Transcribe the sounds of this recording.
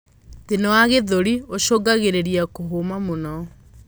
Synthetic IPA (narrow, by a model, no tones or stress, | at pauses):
tenɔaɣeðoɾioʃoɡaɣeɾeɾiakoɦomamonɔ